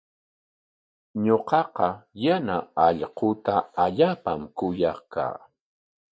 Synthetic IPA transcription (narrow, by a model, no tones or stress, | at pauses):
ɲoqɑqɑjanaɑʎqʊt̪aːʎaːpamkʊjɑχka̰ː